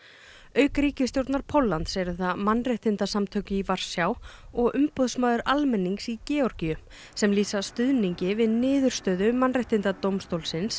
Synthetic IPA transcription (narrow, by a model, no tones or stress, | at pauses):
œːɥkɾiːcɪst̪jowɾt̪naɾ̥pʰowlːant̪sɛɾʏθamanːreht̪ɪnt̪asamt̪ʰœɥcʏivar̥sjawɔɣʏmpɔðsmaːðʏɾʔalmɛnːiŋksicɛːɔɾcijʏ | sɛmliːsast̪ʏðniɲcɪvɪðnɪːðʏɾ̥st̪œːðʏmanreht̪ɪnt̪at̪owmst̪owlsɪns